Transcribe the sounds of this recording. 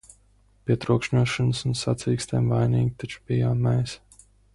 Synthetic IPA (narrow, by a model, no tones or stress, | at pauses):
pʲiɛt̪ɾuɔkʃɲuʃanɨsunsat̪siːkst̪ɛjmvajniːɡʲit̪at͡ʃu̥pijaːmːɛjs